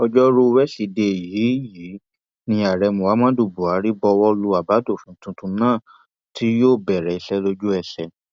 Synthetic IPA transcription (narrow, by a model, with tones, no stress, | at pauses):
ɔ˧d͡ʒɔ˦ɾu˧wɛ˦si˧de˧˨jiː˨˦jiː˨˦ | nĩ˧a˨ɾɛ˧mũ˨wa˨˦mã˦du˦˨bu˨a˨˦ɾi˦bɔ˧wɔ˦lu˧a˨ba˨˦do˦˨fũ˨˦tũ˧tũ˧nãː˦˨ | tʰi˦joː˦˨bɛ˨ɾɛ˨i˧sɛ˦lo˧d͡ʒu˦ɛ˨sɛ˨